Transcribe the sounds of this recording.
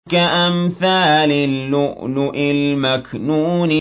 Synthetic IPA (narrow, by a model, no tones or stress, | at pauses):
kaʔamθaːlɪːʊʔnʊʔɪlmaknuːnɪ